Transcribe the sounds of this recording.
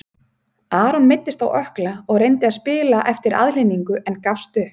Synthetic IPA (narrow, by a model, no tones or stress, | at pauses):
aːɾɔnmɪt̪ːɪst̪awʔœhklaɔɣrejnt̪ɪaðspɪːlaʔɛft̪ɪɾʔa̰ðlejniŋkʏʔɛnkafst̪ʏh